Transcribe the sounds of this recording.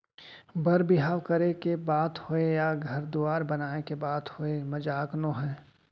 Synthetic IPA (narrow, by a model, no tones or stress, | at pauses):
bɐɾbɪɦaːwkɐɾekebaːt̪hoejaɡʱɐɾd̪uaːɾbɐnaːekebaːt̪hoemɐd͡ʒaːknõɦɛ̃ː